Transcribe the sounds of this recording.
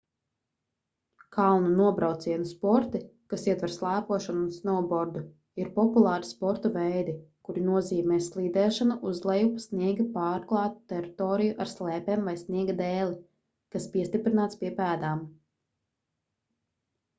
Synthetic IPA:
kʰalˠnunuɔbɾawt̪siɛnuspɔɾt̪ikasiɛt̪vɛɾslˠæːpuɔʃanunsnɔbɔɾd̪u | iɾpɔpulˠɑːɾi̥spɔɾt̪uvɛjd̪ikuɾinuɔziːmɛːslˠiːd̪ɛːʃanaʔuzlˠɛjupsniɛɡipaːɾklˠɑːt̪u̥t̪ːɛɾit̪ɔːɾijuʔaɾslˠɛːpɛːmvajsniɛɡad̪ɛːlʲˠi | kaspiɛst̪ipɾinaːt̪spiɛpæːd̪aːm

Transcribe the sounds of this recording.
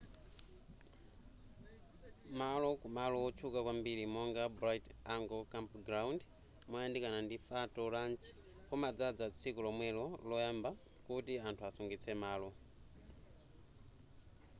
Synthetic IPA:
malɔkumalɔwɔt͡ʃʰukakwambiɾimɔŋɡabɾajtaŋɡɔkampɡɾawnd | mɔjandikanandifatɔɾant͡ʃʰi̥ | kɔmad͡zad͡zat͡sʰikulɔmwɛlɔlɔjamba | kutiantʰuasuŋɡit͡sʰɛmaːlɔ

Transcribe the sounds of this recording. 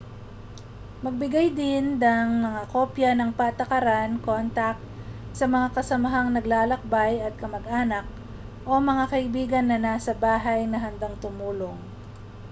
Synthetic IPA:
mɐɡ̚bɪɡajd̪ɪnd̪ɐŋmɐŋako̞ːpjɐnɐŋpat̪ɐkɐɾanko̞nt̪ɐk̚ | sɐmɐŋakɐsɐmɐɦaŋnɐɡlaːlɐk̚bajɐt̪̚kɐmɐɡʔaːnɐk̚ | ʔo̞mɐŋakɐʔɪbiːɡɐnːɐnasɐbaːɦajnɐɦɐnd̪aŋt̪ʊmuːloŋ

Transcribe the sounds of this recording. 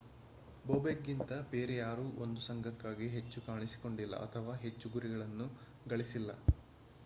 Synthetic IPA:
boːbeɡːint̪ɐbe̞ːɾɛjaːɾuːʔo̞nd̪usɐŋɡʱɐkːaːɡiɦe̞t͡ʃːukaːɳisi̥ko̞ɳɖilːɐ̰ɐ̰t̪ʰɐʋaːɦe̞t͡ʃːuɡuɾiɡɐɭɐnːu | ɡɐɭisilːɐ̰

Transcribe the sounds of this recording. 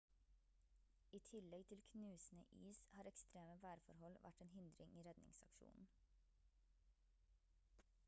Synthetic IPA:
iːt̪ʰɪlɛɡt̪ʰɪlkʰnʉːsn̩ə̰ʔiːshɑːɾɛkst̪ɾeːməʋæːɾfɔɾhɔlʋʔæ̰ʈeːnhʏnd̪ɾɪŋʔiːɾɛd̪nɪ̰ŋsɑ̰kʃṵːnn̩

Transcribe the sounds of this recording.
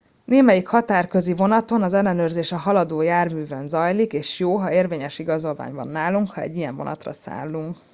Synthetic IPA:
neːmɛjikhɒt̪aːrkø̞zivo̞nɒt̪o̞nɒzɛlːɛnøːrzeːʃɛɦɒlɒd̪oːjaːrmyːvɛnzɒjlikeːʃjoːɦɒeːrveːɲɛʃiɡɒzo̞lva̰ːɲbɒ̰nːaːluŋkhɒɛ̰ɟːijɛɱvo̞nɒ̰t̪rɒ̰sa̰ːlːuŋk

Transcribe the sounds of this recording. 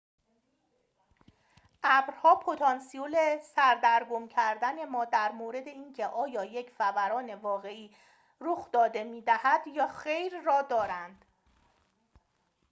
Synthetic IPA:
ʔæbɾhɒːpʰo̞t̪ʰɒːnsiole̞sæɾd̪æɾɡomcʰæɾd̪æne̞mɒːd̪æɾmoːɾe̞d̪e̞iːncʰe̞ʔɒːjɒːje̞cʰfævæɾɒːne̞vɒːɣe̞iː | ɾoxd̪̥ɒːd̪e̞miːd̪æhæd̪jɒːxe̞jɾːɒːd̪ɒːɾænd̪̥

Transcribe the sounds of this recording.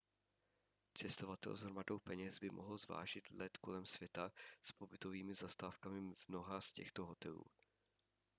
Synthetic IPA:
t͡sɛst̪o̞vat̪ɛ̰lzɦɾmado̞wpɛɲɛzbɪmʔo̰ɦl̩zva̰ːʒɪt̪lɛt̪ko̞̰lɛmsvjɛt̪aspo̞bɪt̪o̞viːmɪzast̪aːfkamɪvno̞ɦascɛxt̪o̞ɦo̞t̪ɛlṵː

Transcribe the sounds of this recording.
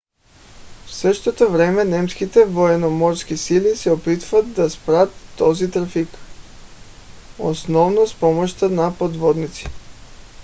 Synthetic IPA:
fsəʃt̪ot̪ovɾɛmɛnɛmskit̪ɛvoɛnomɔɾskisilisɛopit̪vat̪̚d̪aspɾat̪ːɔzit̪ɾafik | o̰snɔvnospɔmoʃt̪ənapod̪vɔd̪nit̪si̥

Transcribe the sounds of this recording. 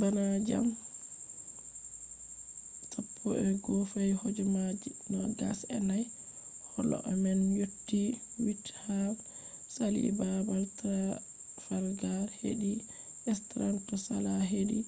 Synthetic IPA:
banad͡ʒa̰m | sapʰːɔʔɛɡɔfajhod͡ʒɛmad͡ʒimaɡa̰sɛnaj | hɔlɔ̰ʔamɛnjotːiwithaf | salḭbabaltʰa | faɾɡahḛɗi | ʔɛstɾantɔsalaɦeɗi

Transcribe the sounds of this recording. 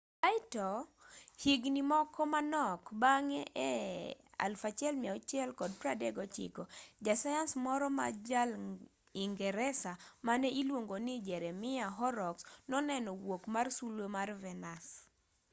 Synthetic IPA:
aɪtɔhiɡnimɔkʰɔmanɔkbaŋɛʔɛa̰lfat͡ʃɛlmiɛɔt͡ʃjɛlkɔd̚pɾadɛɡɔt͡ʃɪ̰kod͡ʒasajansmɔɾɔma̰d͡ʒal | iŋɡɛɾɛsamanɛilwoŋɡonid͡ʒɛɾɛmɪaɦɔɾɔksnɔnɛnɔwokmarsulwomarvɛnas

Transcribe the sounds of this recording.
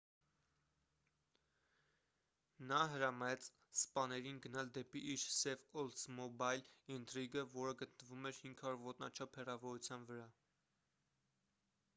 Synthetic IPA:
nɑɦəɾɑmɑjɛt͡s | spɑnɛɾinɡənɑld̪ɛpiʔiɾsɛvɔlsmɔbɑjlint̪ɾiɡəvɔɾəɡət̪nəvumɛɾhiŋɡʰɑɾuɾvɔt̪nɑ̰t͡ʃʰɑpʰhɛrɑvɔɾut͡sʰjɑnvəɾɑ

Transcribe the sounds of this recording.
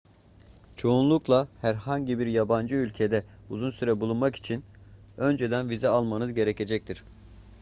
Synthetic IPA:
t͡ʃʰo̞unlˠuklˠahæɾhaɲɟibiɾjaband͡ʒɯylʲcʰe̞d̪ɛ | uzunsyɾɛbulˠunmaki̥t͡ʃʰin | ø̞nd͡ʒe̞d̪ænvizɛalˠmanɯzɟe̞ɾe̞cʰe̞d͡ʒɛc̚t̪ʰiɾ̥

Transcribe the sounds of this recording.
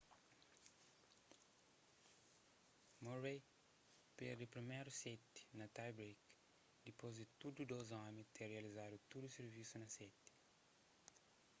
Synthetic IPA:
moɾej | peɾd̪upɾimɛjɾusɛt̪ɪ̥nɐt̪ajbɾek | d̪ipozd̪ɪt̪ud̪ud̪ozɔmit̪ereɐlizad̪ut̪ud̪useɾvisunɐsɛt̪

